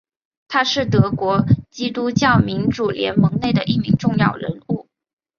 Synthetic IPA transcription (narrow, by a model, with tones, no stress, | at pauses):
t̪ʰa˥ʂɻ̩˥˩t̪ɤ˧˥kwɔ˧˥t͡ɕi˥t̪u˥t͡ɕjɑ˥˩ʊmi˧˥nʈ͡ʂu˨˩ljɛ̰˧˥nmɤ˧˥ŋne˥˩ɪd̪ə˩ʔi˥˩mi˧˥ŋʈ͡ʂʊ˥˧ŋjɑ˥˩ʊɻə̰˧˥nu˥˩